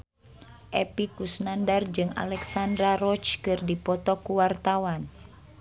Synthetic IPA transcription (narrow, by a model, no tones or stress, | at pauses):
ʔɛpikusnandard͡ʒɨŋa̰lɛksandɾaɾɔt͡ʃkɨrdipɔt̪ɔkuwart̪awan